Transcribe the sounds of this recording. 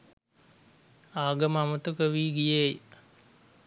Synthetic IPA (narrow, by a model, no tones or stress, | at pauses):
aːɡəmamət̪ukəʋiːɡijej